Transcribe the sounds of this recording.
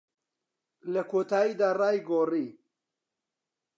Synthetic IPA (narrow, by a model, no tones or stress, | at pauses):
lɐkʰoːt̪ʰaːjiːd̪aːraːjɡoːriː